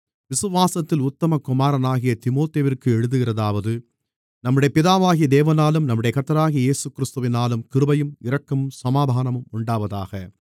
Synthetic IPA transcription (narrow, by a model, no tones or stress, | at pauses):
ʋɪsɯʋaːsɐt̪ːɪlʊt̪ːɐmɐkʊmaːɾɐnaːɣɪjɐt̪ɪmoːt̪eːʋɪrkɯɛɻɯðɯɣɪrɐðaːʋɐðɯ | nɐmːɯɽɐjɐpɪðaːʋaːɣɪjɐd̪eːʋɐnaːlɯmnɐmːɯɽɐjɐkɐt̪ːɐɾaːɣijɐjeːsɯkːɪɾɪst̪ɯʋɪnaːlɯmkɪɾɯbɐjɯmɪɾɐkːɐmɯmsɐmaːd̪ʱaːnɐmɯmʊɳɖaːʋɐða̰ːɣɐ